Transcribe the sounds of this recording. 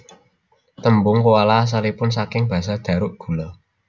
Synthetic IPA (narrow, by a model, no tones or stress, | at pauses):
t̪əmbʊŋkowalas̬alipʊns̬akɪŋb̥ä̤s̬ad̪̥ä̤ɾʊʔɡ̥ṳlɔ